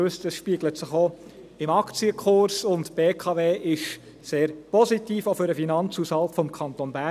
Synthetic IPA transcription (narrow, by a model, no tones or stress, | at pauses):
østəsʃpiəɡlətsəχo | ɪmɑkt͡siəkʰʊɾsʊntb̥eːkʰɑveːʔɪʃ | seːɾpɔsitiːfofʏɾəfinɑnt͡sushɑltfɔmkʰɑnt̪onbæ